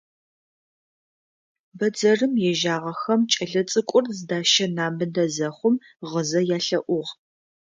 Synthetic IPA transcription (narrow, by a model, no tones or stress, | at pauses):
bɐd͡zɐrɨmjɛʒaːʁɐxɐmt͡ʃʼɐɮɐt͡sʼɨkʷʼʊrzɨdaːʃɐnaːmɨndɐzɐχʷʊm | ʁəzɐjaːɬɐʔʷʊʁ